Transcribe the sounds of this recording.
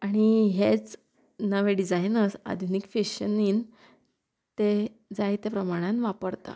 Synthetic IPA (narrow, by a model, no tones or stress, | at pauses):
aɽ̃iɦet͡s | nəʋeɖid͡zajnəsa̰d̪ʱjunikfeɕəniːn | t̪e | d͡zajt̪epɾəmaɽ̃ãnʋapəɽt̪a̰